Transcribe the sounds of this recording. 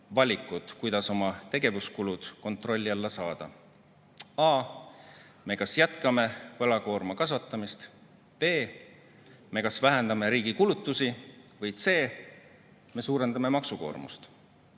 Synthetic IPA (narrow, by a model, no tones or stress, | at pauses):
vɑlʲikːˑut̪kujd̪̥ɑso̞mɑt̪e̞ɡ̥e̞vuskulud̪̥ko̞nt̪ˑro̞lʲːiɑlːɑsɑːd̪̥ɑ̰ | ɑː | me̞kɑsjæt̪kɑme̞vɑlɑko̞ːrmɑkɑsvɑt̪ːˑɑmist̪ | b̥e̞ː | me̞kɑsvæɦe̞nd̪̥ɑme̞ɾiːɡ̥ikulut̪ˑːusivɯj̪se̞ː | me̞suːɾe̞nd̪ɑme̞mɑksuko̞̰ːrmṵst̪